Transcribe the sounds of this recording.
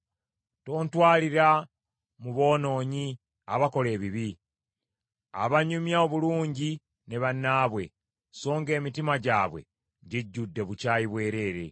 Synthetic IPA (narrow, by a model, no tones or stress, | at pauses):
to̞ːntwaːliɾa | muβo̞ːno̞ːɲi | aβako̞le̞ːβiβi | a̰βaɲumjao̞βuluːɲɟi | ne̞βanːaːβwe̞̰ | so̞ːŋɡe̞ːmitimaɟaːβwe̞̰ | ɟiɟːudːe̞βucaːjiβwe̞ːɾe̞ːɾe̞̰